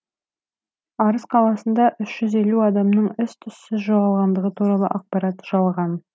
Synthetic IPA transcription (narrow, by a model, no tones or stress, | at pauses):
ɑɾəsqʰɑlˠɑsənd̪ɑʔʏʃʒ̥ʏze̞luɑd̪ɑmnəɴʏst̪ʰʏsːɪzʒoʁɑlˠʁɑnd̪əʁət̪ʰuɾɑlˠə̰ʔɑq̚pɑɾɑt̪ʒ̥ɑlˠʁɑn